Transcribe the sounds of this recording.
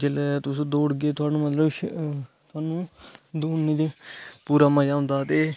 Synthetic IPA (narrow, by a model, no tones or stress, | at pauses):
d͡ʒelɛt̪ʊsũːd̪oːɽɡeːt̪ʊaːnũːmət̪ləbʃt̪ʊaːnũːd̪uːnned͡ʒpuːɾaːmãd͡ʒaːʊ̃nd̪aːt̪eː